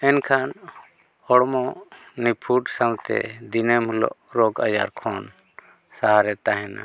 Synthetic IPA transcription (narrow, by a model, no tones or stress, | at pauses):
ɛnkʰan | ɔɽmɔnipʰuʈsawt̪ɛ̰d̪inɛmhulɔ̰ʔɾɔɡad͡ʒa̰ɾkʰɔn | saɦaɾɛt̪aɦɛna̰